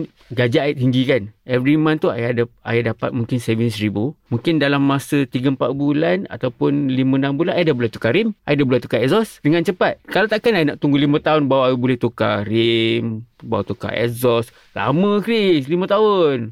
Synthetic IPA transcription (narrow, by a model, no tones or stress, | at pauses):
ɡad͡ʒaait̪ɦiŋɡikanɛvɾimant̪ua̰jdaa̰jadapa̰t̪̚muŋkɪnsɛvinsɾibumuŋkɪndalamːasət̪iɡəmpa̰ʔ̪̚bulana̰t̪awpʊnlimə̃nambulanajadabulɛht̪u̥kaɾimʔajadabulɛt̪ukaɛzɔsdəŋant͡ʃəpat̪̚kalat̪aʔkanajanaʔt̪uŋɡulimə̃t̪aʊnbawajbulɛht̪uka̰ɾimbawat̪uka̰ɛ̰zɔs | la̰mə̃kɾislimə̃t̪aʊn